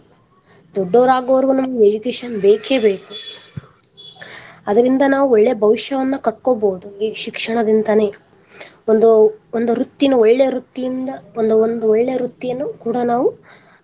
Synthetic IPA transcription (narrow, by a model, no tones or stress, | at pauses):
d̪ɔɖːoːɾaːɡoʋɐɾʋunɐmːʋed͡ʒukeːʃɐnbe̞ːkʰe̞ːbe̞ːku | ɐd̪ɐɾind̪ɐnaːʋuɔɭːejɐbʱɐʋiʃjɐʋɐnːɐkɐʈ̚koboːud̪uiːʃikʂɐɳɐd̪ind̪ɐne̞ː | ond̪uond̪uɾut̪ːinɐɔɭːejɐɾut̪ːijind̪ɐond̪uond̪uɔɭːejɐɾut̪ːijɐnːukuːɽɐnaːʋu